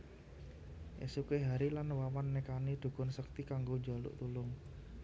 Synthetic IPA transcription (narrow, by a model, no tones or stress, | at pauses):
ʔḛsukeɦaɾilanwamanːekanid̪̥ṳɡ̥ʊ̤nsək̚t̪ikaŋɡoɲd͡ʒa̤lṵʔt̪ulʊŋ